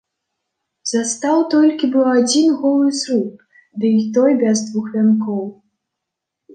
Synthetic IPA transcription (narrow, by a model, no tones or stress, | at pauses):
z̥ast̪awt̪ɔlʲkʲibɨwad͡zʲinɣɔlˠɨsɾup | d̪ɨit̪ɔjbʲɛzd̪vuxvʲankɔw